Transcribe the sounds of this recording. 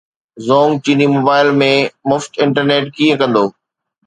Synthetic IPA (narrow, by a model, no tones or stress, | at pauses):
zoːŋɡ̚t͡ɕinimoːbaːɪlmẽmʊfʈɪ̃ɳʈəɾneːʈkiːə̃kɐ̃nd̪oː